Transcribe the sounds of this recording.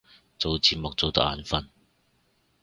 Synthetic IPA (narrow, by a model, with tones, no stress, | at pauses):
t͡so˨wt͡siː˨t̚mʊ˨k̚t͡so˨wt̪ɐ˦˥k̚a̰ː˨˧nfɐ˥n